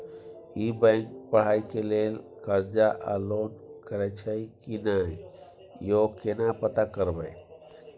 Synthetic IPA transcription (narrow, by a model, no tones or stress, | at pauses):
ibə̃ŋk̚pəɽ̤ajkelel | kəɾd͡ʒaʔa̰lonkəɾɛt͡ʃʰəjkinaj | jokenapət̪akəɾbəj